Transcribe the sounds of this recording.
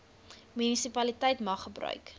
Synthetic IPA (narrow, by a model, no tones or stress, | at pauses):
mynisipɐlitɛjtmɐχːəbrœ̰ɥk